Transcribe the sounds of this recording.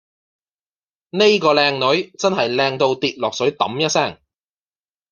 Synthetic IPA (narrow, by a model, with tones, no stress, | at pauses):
ne˥jkɔː˧lɛː˧ŋnɵ˨˥ɥt͡sɐ˥nɦɐ˨jlɛː˧ŋt̪o˧wt̪iː˨t̚lɔː˨k̚sɵ˨˥ɥt̪ɐ̰˨˥mjɐ˥t̚sɛː˥˩ŋ